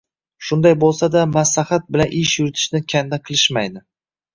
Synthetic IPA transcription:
ʃʊnd̪ajbolˠsad̪amaslahat̪̚bɪlanʔɪʃjʊɾɪt̪ʰɪ̥ʃnɪkʲʰand̪aqʰɨlˠɪʃmajd̪ɪ

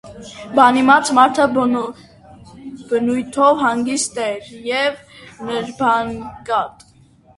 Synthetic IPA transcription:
bɑnimɑt͡sʰmɑɾt̪ʰə | b̥ənujt̪ʰɔvɦɑŋɡist̪ɛɾjɛvnəɾbɑŋɡɑt̪ʼ

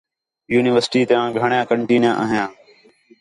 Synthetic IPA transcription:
juːnɪʋəɾsɪ̥ʈiːt̪jãːɡʱəɳjãːkəɳʈiːnɪjãːʔaːɦɪjãː

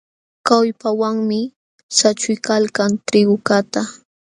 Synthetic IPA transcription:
kawjpawaŋmɪ | sat͡ʃʊjkalkant̪ɾɪɡʊkat̪a

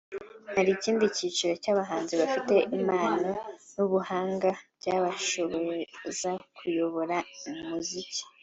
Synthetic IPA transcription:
haɾiciːndiciːt͡ʃaɾocaβaɦaːnziβafite̞ʔimaːnonuβuhaːŋɡabɟaβaʃo̞βozakʰujo̞βo̞ɾaimuzici̥

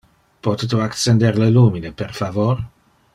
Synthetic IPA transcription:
pot̪et̪uakt͡send̪eɾlelumineperfavoːr

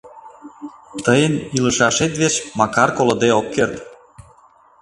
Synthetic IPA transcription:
t̪əjəniləʃɑʃet̪βet͡ɕmɑkɑrkolə̆d̪eokːert̪

